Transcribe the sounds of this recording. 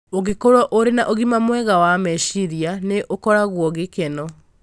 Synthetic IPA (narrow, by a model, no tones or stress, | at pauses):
oɣekoɾɔʔoɾenaʔoɣimamwɛɣawamɛʃiɾianeʔokɔɾaɣwɔɣekɛnɔ